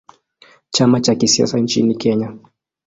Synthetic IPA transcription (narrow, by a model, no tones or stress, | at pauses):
t͡ʃamat͡ʃakisia̰saɲt͡ʃḭnikɛɲa